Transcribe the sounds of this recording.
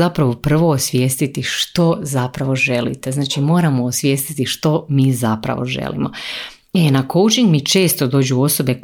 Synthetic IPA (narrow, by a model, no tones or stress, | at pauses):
apɾaʋo̞pr̩ʋo̞ːsʋje̞ːst̪it̪iʃt̪o̞zapɾaʋo̞ʒe̞lḭt̪e̞znaːt͡ʃimo̞ːɾamoːsʋje̞ːst̪it̪iʃt̪o̞miːzapɾa̰ʋo̞̰ʒḛlḭmo̰ | enako̞wt͡ʃiŋɡmit͡ʃe̞ːst̪o̞d̪o̞ːd͡ʑuo̞so̞be̞k